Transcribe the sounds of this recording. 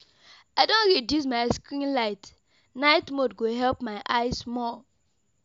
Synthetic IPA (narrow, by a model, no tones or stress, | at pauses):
aɪdõntɹidusmaɪskɹĩnlaɪt | naɪtmodɡoɦɛlpmaɪʔaɪsmɔ